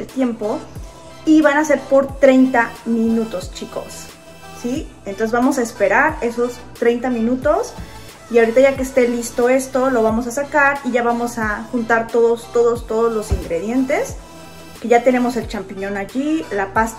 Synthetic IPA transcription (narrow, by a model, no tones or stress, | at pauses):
elt̪je̞mpo̞ | iβanase̞ɾpo̞ɾt̪ɾe̞jnt̪amĩnut̪o̞st͡ʃiko̞̰sː | ient̪onsezβamo̞sae̞spe̞ɾaɾe̞so̞s | t̪ɾe̞jnt̪amĩnut̪o̞s | iaoɾit̪aʝakeːst̪e̞list̪o̞e̞st̪o̞lo̞β̞amo̞sasakaɾiʝaβamo̞saxunt̪aɾt̪o̞ðost̪o̞ðo̞st̪o̞ð̞ozlo̞siŋɡɾe̞ðje̞nt̪e̞s | ke̞ʝat̪ene̞mo̞se̞lt͡ʃampiɲõ̞naʝilapas